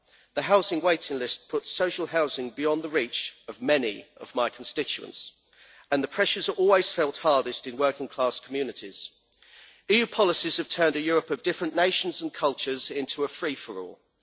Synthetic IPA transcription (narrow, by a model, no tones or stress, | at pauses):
ðəɦaʊzɪ̃ŋweɪtɪ̃ŋlɪst̚pʰʊtsəʊʃəlˠɦaʊzɪ̃ŋbɪɒ̃nðəɹiˑt͡ʃəvmɛnḭʔə̰vmaɪkʰə̃n̩stɪt͡ʃʉə̰̃nts | ə̃nðəpʰɹ̥ɛʃəzə˞ʔɔːlˠwɪz̥fɛlˠthɑɹdɪstɪ̃nwɜˑkɪ̃ŋkʰl̥ɑˑskʰəmjʉːnɪtʰiz̥ | iːjʉːpʰɒlɪsiz̥əv̥tʰɜ̃ːndəjɔːɹəpəvdɪfɹə̃nneɪʃə̃nzə̃nkʰʌlˠt͡ʃəzɪ̃ntʰuəfɹiːfəɹɔ̰ːlˠ